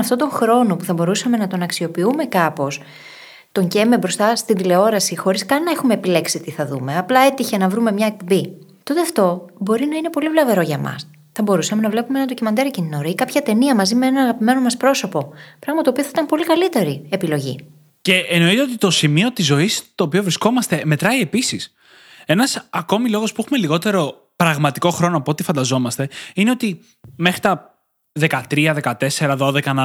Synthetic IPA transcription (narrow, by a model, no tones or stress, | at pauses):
ɐft̪o̞nd̪oŋxɾo̞no̞puθɐbo̞ɾusɐme̞nɐt̪o̞nɐksio̞piume̞kɐpo̞s | t̪o̞ɲɟe̞mebɾo̞st̪ɐst̪ind̪ile̞o̞ɾɐsixo̞ɾiskɐnːɐexume̞ːpile̞ksit̪iθɐðume̞ɐplɐe̞t̪içe̞nɐvɾume̞mɲɐek̚po̞mbi | t̪o̞t̪e̞ɐft̪o̞bo̞ɾinɐine̞po̞livlɐve̞ɾo̞ʝɐmɐ̰s | θɐbo̞ɾusɐme̞nɐvle̞pumenɐnd̪ocimɐnd̪eɾɐcininoɾoikɐpçɐt̪e̞niɐmɐzimeenɐɐɣɐpime̞no̞mɐspɾo̞so̞po̞pɾɐɣmɐt̪opioθɐit̪ɐmpo̞likɐlit̪e̞ɾie̞pilo̞ʝḭ | ce̞ʔːno̞it̪eot̪it̪o̞simio̞t̪izːo̞ist̪o̞ːpio̞vɾisko̞mɐst̪e̞me̞t̪ɾɐie̞pisis | e̞nɐsɐko̞milo̞ɣo̞spuexume̞liɣo̞t̪e̞ɾo̞ | pɾɐɣmɐt̪iko̞xɾo̞noɐpoot̪ifɐnd̪ɐzo̞mɐst̪e̞ineo̞t̪i | me̞xɾit̪ɐ | ðe̞kɐt̪ɾiɐðe̞kɐt̪e̞se̞ɾɐðo̞ðe̞kɐnɐ